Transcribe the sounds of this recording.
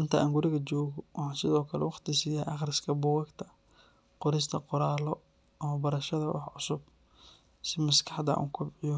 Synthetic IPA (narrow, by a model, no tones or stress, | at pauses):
ɪnt̪ʰɐʔa̰ːŋɡʊɾɪɣɐt͡ʃɔːɣɔwʔɑħɑːsɪðɔːkʰɐlɛwɑqt̪ʰɪsiːjaːʔɑχrɪskʰɐbʊwɐɡt̪ʰɐ | qɔɾɪs̬t̪ʰɐqɔɾaːlɔ | ɐmɐbɐɾɐʃɐðɐwʔɑ̰ħʕʊsʊb̚ | sɪmɐskʰɑ̥ħd̪ɐ̰ʔṵːŋkʰʊbʕɪjɔ